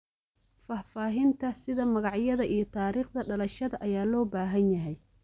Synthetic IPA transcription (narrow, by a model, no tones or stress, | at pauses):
faːfaːɦɪnt̪ʰɐsɪðɐmɐɣɑʕjɐðɐʔijɔt̪ʰaːɾiːχd̪ɐɖɐlɐʃɐðɐʔɐjaːlɔːbaːɦɐnjɐɦɛj